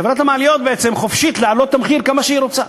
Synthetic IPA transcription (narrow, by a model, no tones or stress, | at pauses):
evɾat̪hamaalijot̪̚beet͡se̞mχofʃit̪lealo̞t̪ːameχiɾkamaʃeiɾo̞t͡sa